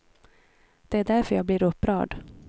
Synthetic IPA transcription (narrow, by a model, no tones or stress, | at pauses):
d̪̥ɛæɖæɾfœɾjɑːɡ̚blɪɾɵpːɾɑ̰ːɖ